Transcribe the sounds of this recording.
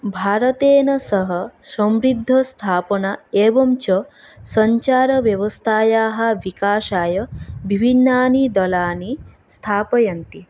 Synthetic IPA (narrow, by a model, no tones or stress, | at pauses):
bʱaːɾɐt̪eːnɐsɐɦɐsɐmɾid̪ʱːɐst̪ʰaːpɐɳaeːʋɐmt͡ʃɐ | sɐɲt͡ʃaːɾɐʋjɐʋɐst̪ʰaːjaːɦɐʋikaːʃaːjɐbʱibʱinːaːnid̪ɐlaːni | st̪ʰaːpɐjɐnt̪i